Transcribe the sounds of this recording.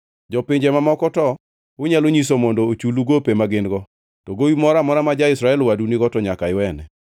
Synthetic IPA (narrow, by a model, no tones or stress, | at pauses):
d͡ʒɔpɪɲd͡ʒɛmamɔkɔtɔ | ʊɲaloɲisomɔndɔot͡ʃuluɡopemaɡɪnɡɔ | tɔɡowimɔɾamɔɾamad͡ʒaɪsɾaɛlwaduniɡɔtɔɲakaɪwɛnɛ